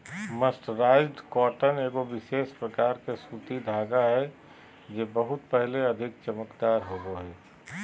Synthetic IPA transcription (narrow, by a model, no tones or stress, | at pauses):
məsʈɾaɪɖkɔːʈəneːɡoʋɪʃeːspɾəkaːɾkesut̪id̪ʱaːɡaɦɛ | d͡ʒebəɦʊt̪pəɦleəd̪ʱɪk̚t͡ʃəməkd̪aːɾɦoɡoɦɛː